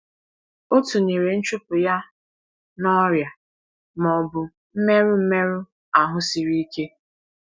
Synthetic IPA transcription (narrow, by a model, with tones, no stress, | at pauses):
o˦tu˨ni˨ɾe˨n̩˦t͡ʃʊ˦pʊ˨ja˦ | nɔ˦ɾja˨ | mɔ˨bʊ˨ | m̩˦me˦ɾʊ˦m̩˦me˦ɾʊ˦ | a˨ɦʊ˦si˨ɾi˦i˦ke˦